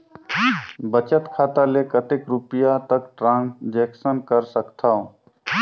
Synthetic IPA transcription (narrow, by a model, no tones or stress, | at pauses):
bət͡ʃət̪kʰat̪alekət̪ekɾupijat̪əkʈɾãnd͡ʒeksənkəɾsəkt̪ʰa